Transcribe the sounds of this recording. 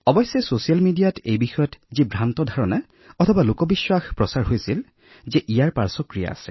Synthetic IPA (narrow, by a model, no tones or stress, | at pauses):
ɔbɔjsːɛsosijalmidijatejbixɔjɔtzibʱɹantɔdʱaɹɔna | ɔtʰɔbalokɔbiswaxpɹɔsaɹɦojsil | zɛʔijaɹpa̰ɹsɔkɹija̰a̰sɛ̥